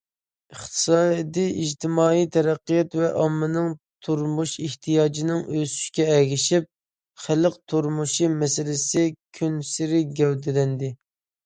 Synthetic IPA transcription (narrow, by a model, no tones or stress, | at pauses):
əχt̪ʰɨ̥sɑːjd̪ɪʔiʒt̪ʰɪmɑːijt̪ʰɛɾæqːijɑt̪vɛʔɑmːɨnɨŋt̪ʰuɾmuʃiht̪ʰijɑːd͡ʒinɪŋøsy̥ʃkʲɛɛɡʲɪʃip̚ | χælɨq̚t̪ʰuɾmuʃimɛsɪlɪsɪkʲʰynsɪɾɪɡʲɛwd̪ɪlɛnd̪ɪ